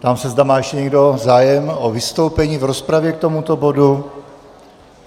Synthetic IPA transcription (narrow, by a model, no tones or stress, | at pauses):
t̪amsɛzd̪amaːjɛʃcɛɲɛɡdo̞zaːjɛmʔovɪst̪o̞wpɛɲiːvɾo̞spɾavjɛk̚t̪o̞mut̪o̞bo̞du